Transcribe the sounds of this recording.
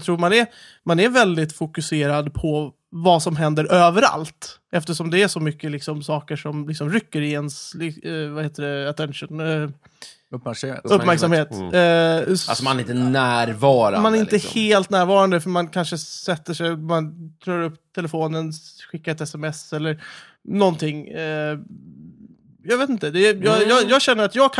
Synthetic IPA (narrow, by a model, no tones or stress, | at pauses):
jt̪ʰɾuːɾmanɛɾ | manæɾvɛld̪ɪt̪fʊkɵseːɾad̪pʰɔ | vasɔmɦɛnd̪əɾʔøːvəɾa̰lt̪ɛft̪əʂɔmd̪ɛæʂɔmʏkːəlɪksɔmsɑːkəʂɔmlɪksɔmɾʏkːəɾɪɛnsɪvaheːt̪əɖɛat̪ʰɛnʂən | ɵppːmæɾksamheːt̪ | a̰sɔmanɛɾɪnt̪ənæːɾvɑːɾamanæɾɪnt̪əheːlt̪næːɾvɑːɾand̪əfœɾmankʰanʂəsɛt̪ːəʂɛjmant̪ɾøːɾɵpːt̪ʰɛləfoːnənɧɪkːaɛt̪ɛsɛmɛsɛlːəɾ | nɔnt̪ʰɪŋː | jɑːveːt̪ɪnt̪əd̪ɛjɑjɑːjɑːɡɕɛnːəɾat̪jɑːɡkʰ